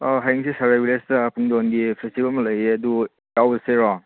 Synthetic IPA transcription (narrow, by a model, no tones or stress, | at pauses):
ɔɦajɐŋsisaɾajbilestɐpʰuŋdonɡipʰestibɐlmɐlɐjeɐdu | jawɐseɾɔŋ